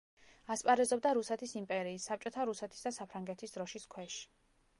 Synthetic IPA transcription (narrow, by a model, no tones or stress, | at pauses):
aspʼaɾɛzɔbd̪aɾusɛt̪ʰisimpʼɛɾiːsːap̚t͡ʃʼɔt̪ʰaɾusɛt̪ʰi̥sd̪asapʰɾaŋɡɛt̪ʰisd̪ɾɔʃiskʰwɛʃi̥